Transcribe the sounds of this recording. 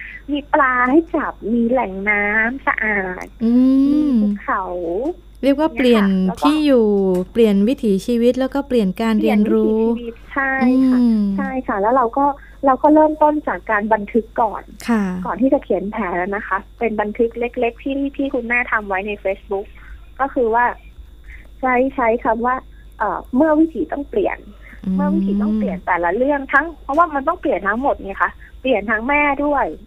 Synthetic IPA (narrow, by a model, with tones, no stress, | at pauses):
miː˧plaː˧ha˥˩jt͡ɕa˨˩p̚miː˧lɛ˨˩ŋnaː˦˥msa̰˧ʔaː˨˩t̪̚ʔɯː˧u˥kʰa˨˩w | ɾi˥˩ək̚waː˥˩pli˩ənt̪ʰiː˥˩juː˨˩pli˨˩ənwi˦˥t̪ʰiː˩˦t͡ɕʰiː˧wi˦˥t̪̬̚lɛː˦˥wkɔː˥˩pli˨˩ənkaː˧nɾi˧ənɾuː˦˥˦t̪̚t͡ɕʰa˥˩ʔjɯː˧kʰt͡ɕʰa˥˩jkʰa˦˥˩lɛː˦˥wɾa˧wkɔː˥˩ | ɾa˧wkɔː˥˩ɾɤː˥˩mt̪o˥˩nt͡ɕaː˨˩kːaː˧nba˧nt̪ʰɯ˦˥kːɔː˨˩nkʰkɔː˨˩nt̪ʰiː˥˩t͡ɕa˨˩kʰi˩˦npʰɛː˩˦la˧˥na˦˥xʰa˦˥pe˧nba˧nt̪ʰɯ˦˥k̚le˦˥k̚le˦˥k̚t̪ʰiː˥˩t̪ʰiː˥˩kʰu˧nːaː˥˩t̪ʰa˧mwa˦˥jna˧jfeː˦˥sbu˦˥k̚ː | ɔː˥˩xʰɯː˧waː˥˩ | t͡ɕʰa˦˥jt͡ɕʰa˦˥jkʰa˧mwaː˥˩ | ʔɤ̰ː˨˩mɯ˥˩ɐwi˦˥t̪ʰiː˩˦t̪ɔ˥˩ŋplḭ˨˩ən | mɯ˥˩ɐwi˦˥t̪ʰiː˨˦t̪ɔ˥˩ŋpli˨˩ənt̪ɛː˨˩la˦˥lɯ˥˩əŋt̪ʰa˦˥ŋpʰɔ˦˥waː˥˩ma˧nt̪ɔ˥˩ŋpli˨˩ənt̪ʰa˦˥ŋmo˨˩t̪̚niː˧˩ɐ˨kʰa˦˥ | pli˨˩ənt̪ʰa˦˥ŋmɛː˥˩du˥˩əj